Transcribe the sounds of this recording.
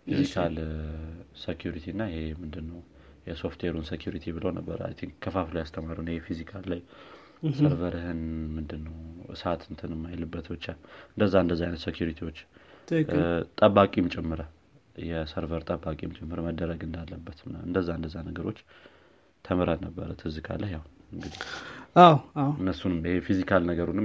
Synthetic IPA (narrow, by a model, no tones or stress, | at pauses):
fizikʰal | sekʰjuɾit̪ʰiɨnːajehemɨnd̪ɨnːəw | jɛso̞ft̪ʰweɾunsekjuɾit̪ʰibɨləwnəbːə̰ɾa̰t̪ʰenkʰəfaflajast̪ʰəmaɾiwnhefizikʰalːaj | səɾvəɾɨhɨnmɨnd̪ɨnːəwʔɨ̰sat̪ɨnt̪ʰɨnɨmːajlɨbːət̪bɨt͡ʃːaɨnd̪əzːaɨnd̪əzːajnət̪sekjuɾit̪ʰiwo̞t͡ʃː | t̪ʼəbakʼimt͡ʃʼɛmːɨɾə | jɛsəɾvəɾt̪ʼəbːakʼimt͡ʃʼɛmːɨɾməd̪ːəɾəɡɨnd̪alːəbːət̪nɨ̰nd̪əzːaɨnd̪əzːanəɡəɾo̞t͡ʃː | t̪ʰəməɾalnəbːə̰ɾət̪ʰɨzɨkʰʼa̰lahjawɨŋɡɨd̪iawawɨnːəsːunɨmɪhefizikʰalnəɡəɾunɨm